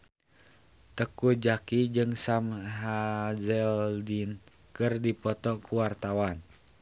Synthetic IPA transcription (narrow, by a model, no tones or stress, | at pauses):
t̪əkud͡ʒakid͡ʒɨŋsamɦazɛldin | kɨrdipɔt̪ɔkuwart̪awan